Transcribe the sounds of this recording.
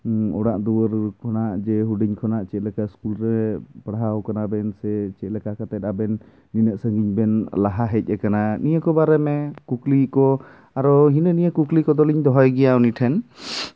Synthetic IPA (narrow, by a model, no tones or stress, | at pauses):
ɔɽaʔd̪uwəɾkʰɔnaʔd͡ʒɛɦuɖiɲkʰɔnaʔt͡ʃɛʔlɛkaskulɾɛpɽɦawkanabɛnsɛt͡ʃɛʔlɛkakat̪ɛt̪̚abɛnː | inəʔsəŋɡiɲbɛnlaɦaɦɛc̚ˀɛkananijəkɔbaɾɛmɛkuklikɔ | aɾɔɦinənijəkuklikɔd̪ɔliɲd̪ɔɦɔjɡɛjawniʈʰɛn